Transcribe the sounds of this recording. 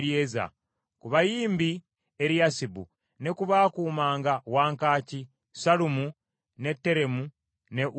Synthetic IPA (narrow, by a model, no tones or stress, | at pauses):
ɾjeːza̰ | kuβajiːmbi | eɾjasibṵ | ne̞kuβaːkuːmaːŋɡawaːŋkaːci | salumu | ne̞tːe̞ɾe̞mu | ne̞ʔ